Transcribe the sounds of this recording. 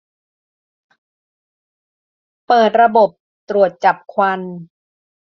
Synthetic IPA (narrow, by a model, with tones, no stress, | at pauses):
pɤː˨˩t̪̚ɾa˧bo˨˩p̚ | t̪ɾu˨˩ət̪̚t͡ɕa˨˩p̚kʰwa˧n